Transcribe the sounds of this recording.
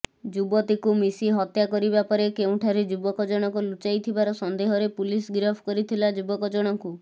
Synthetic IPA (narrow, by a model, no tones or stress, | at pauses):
d͡ʒubɔt̪ikumisiɦɔt̪jakɔɾibapɔɾekeũʈʰaɾed͡ʒubɔkɔd͡ʒɔɽ̃ɔkulut͡ʃajt̪ʰibaɾɔsɔnd̪eɦɔɾepulisɡɾɔbʰʱkɔɾit̪ʰilad͡ʒubɔkɔd͡ʒɔɽ̃ɔŋku